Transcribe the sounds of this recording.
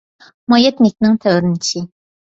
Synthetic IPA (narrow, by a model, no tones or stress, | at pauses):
mɑjɛt̪nɪk̚ʲnɪŋt̪ʰɛwɾɪnt͡ʃʰɪ